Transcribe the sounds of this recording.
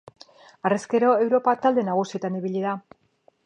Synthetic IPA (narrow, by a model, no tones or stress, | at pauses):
areske̞ɾo̞e̞wɾo̞pat̪ald̪e̞naɣ̞usie̞t̪aniβiʎið̞a